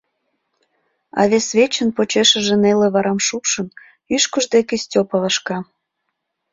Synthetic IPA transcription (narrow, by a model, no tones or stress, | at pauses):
ɑ̰βʲesβʲet͡ɕənpot͡ɕeʃə̆ʒĕneleβɑɾɑmʃupʃən | yʃkəʒd̪ekesʲtʲopɑlɑʃkɑ